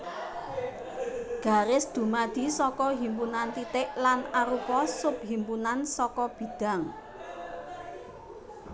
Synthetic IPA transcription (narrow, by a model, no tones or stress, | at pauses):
ɡ̥ä̤ɾɪsd̪̥ṳmad̪̥i̤sɔkɔɦimpunant̪it̪ɪʔlanaɾupɔsʊp̚ɦimpunansɔkɔb̥i̤d̪̥a̤ŋ